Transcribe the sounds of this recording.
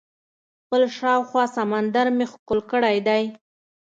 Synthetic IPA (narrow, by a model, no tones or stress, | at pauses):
xpəlʃɑwxwɑsamand̪aɾmexkolkəɽajd̪aj